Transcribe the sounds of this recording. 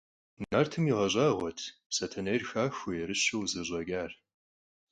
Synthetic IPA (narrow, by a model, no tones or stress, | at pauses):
nɐrtʰɨmiʁɐʑʼɑːʁʷɔtʰpsɐtʰɐnɐjrxaːxʷʊjɛɾɨɕɪwzɨʑʷʼɐɡaːr